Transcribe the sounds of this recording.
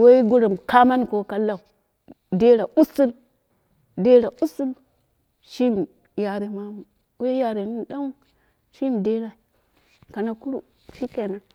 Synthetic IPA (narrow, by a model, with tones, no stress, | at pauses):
we˦i˦ɡu˦ɾa˨m˨ka˦ma˦n˦ko˨˦ka˨la˨u˨ | de˦ɾa˨ʔu˦si˦l | de˦ɾa˨ʔu˦su˦l | ʃi˦m | ja˨ɾe˨ma˦mu˨ | we˦ja˨ɾe˨ni˦n˦ɗa˦ŋu˦ | ʃi˦mde˦ɾa˨ | ka˨na˨ku˦ɾu˨ | ʃi˦ke˨na˨